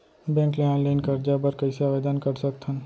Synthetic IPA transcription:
bɛ̃ːŋkleãːnlaɪnkɐɾd͡ʒabɐɾkɐɪseaːʋeːd̪aːnkɐɾsɐkt̪ʰɐn

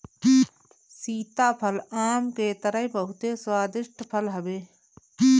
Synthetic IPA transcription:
siːt̪aːpʰəlaːmkeːt̪əɾəɦbəɦʊt̪eswaːd̪ɪʃʈʰpʰəlɦɐbeː

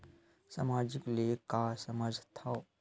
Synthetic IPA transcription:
samaːd͡ʒɪklikasɐmad͡ʒʱt̪ʰa

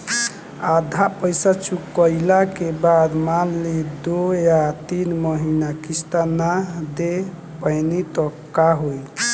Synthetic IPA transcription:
ad̪ʱapəjsat͡ʃukəjlakebad̪malːid̪ojat̪inməɦinakist̪anad̪e | pəjnit̪ɔkːaɦoj

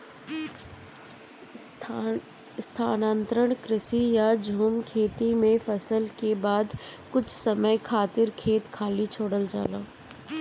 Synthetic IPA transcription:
st̪ʰaːnãːnt̪ɾəɽ̃kɾɪsijad͡ʒʱuːmkʰeːt̪imẽfɐsəlkebaːd̪kʊt͡ʃʰsɐməjkʰaːt̪ɪɾkʰeːt̪kʰaːlit͡ʃʰoːɽəld͡ʒa̰ːla̰ː

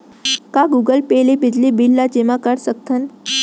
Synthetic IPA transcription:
kaɡuːɡəlpelibid͡ʒlibilːad͡ʒemãkəɾsək̚t̪ʰən

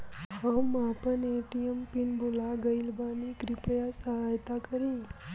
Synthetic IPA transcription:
həmapəneʈiempinbolaɡəjlbanikɾipjasəɦajt̪akəɾi

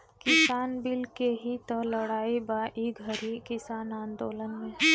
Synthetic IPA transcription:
kɪsaːnbɪlkeɦit̪ɔlɐɽaːibaːʔiɡʱəɾikɪsaːnãːnd̪oːlənmẽ

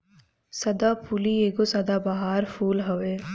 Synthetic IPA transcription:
sɐd̪aːpʰulieːɡosɐd̪aːbaɦaːɾfʰuːlɦɐʋeː

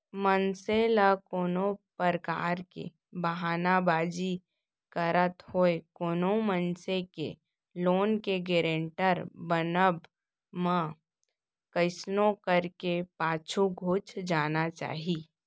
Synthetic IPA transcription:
mənseləkoːnopəɾəkaːɾkḛ | bəɦaːnabaːd͡ʒi | kəɾət̪hoːekoːnomənsekḛ | loːnkeɡeːɾẽɳʈəɾbənəb | mã | kəɪsnokəɾkepaːt͡ʃʰuɡʱuːt͡ʃd͡ʒaːnat͡ʃa̰ːɦiː

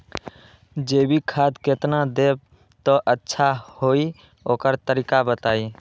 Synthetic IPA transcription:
d͡ʒebʱikʰad̪ket̪nad̪eb̚ | t̪ɔʔətːʃʰahoi | okəɾt̪əɾikabət̪ai

